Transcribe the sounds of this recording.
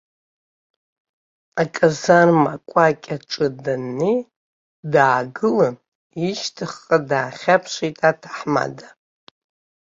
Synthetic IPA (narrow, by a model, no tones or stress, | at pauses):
akʲʼazarma̰kʷʼakʲʼaʈ͡ʂʼɨdanːi | daːɡɨla | iʃtʰɨχːʼadaːχʲapʰʃʷitʼatʰḁħma̰da